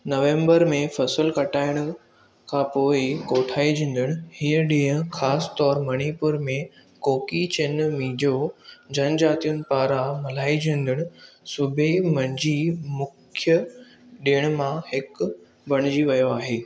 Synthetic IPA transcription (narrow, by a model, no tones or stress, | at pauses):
nɐʋẽːmbəɾmẽfɐsəlkɐʈaːɪɽ̃ʊ | kʰãpoːɪkoːʈʰaːid͡ʑʱĩːnd̪ɪɽ̃ʊ̆hiːəɗĩːɦə̃xaːst̪ɔːɾmɐɽ̃ipʊɾmẽ | koːkit͡ɕɪnmĩːd͡ʑod͡ʑʱɐnd͡ʑaːt̪ijʊnɪ̆paːɾamɐlaːid͡ʑʱĩnd̪ɪɽ̃ʊ̆sʊbʱemɐ̃ɲd͡ʑimʊkʰjə | ɗeːɽ̃ʊmãhɪk | bɐɽ̃ɪd͡ʑiʋɐjoaːɦeː